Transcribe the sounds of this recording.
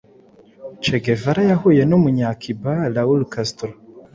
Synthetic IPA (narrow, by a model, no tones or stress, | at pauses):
t͡ʃeɡevaɾajaɦujenomuɲakʰibalawulkastuɾo